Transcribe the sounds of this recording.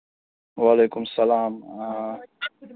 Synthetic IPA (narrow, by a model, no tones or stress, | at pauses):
waːleːkʊmsɐlaːm